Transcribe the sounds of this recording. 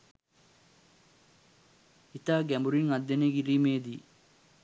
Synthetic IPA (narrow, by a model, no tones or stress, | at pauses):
it̪aɡembuɾinɐd̪ːɐneɡiɾimeːd̪i